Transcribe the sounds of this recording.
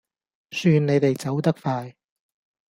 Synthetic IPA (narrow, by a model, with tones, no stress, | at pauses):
syː˧nne˨˧jt̪e˨jt͡sɐ˨˥wt̪ɐ˥k̚faː˧j